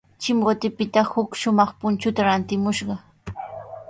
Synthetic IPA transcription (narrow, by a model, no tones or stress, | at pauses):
t͡ʃɪmɢot̪ɪpɪt̪ahʊkʃʊmɑχpʊnt͡ʃʊt̪aɾant̪ɪmʊʃɢɑ